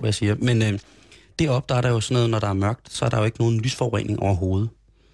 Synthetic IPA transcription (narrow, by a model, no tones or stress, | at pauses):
ʋæjäsiːɐmenø | d̥e̝ɒ̽b̥̚d̥ɑɐɾɑjo̝sɒ̽nɔːð̩ˠnɒɾ̥ɑ̈æɐmɶɐɡ̥̚d̥sɒ̽æɐd̥ɑjo̝e̝ɡ̥əno̝ːðn̩lyːsfɒʊʁɛ̰n̰e̝ŋʔɒʊ̰ɐɦo̝ːð̞̩ˠə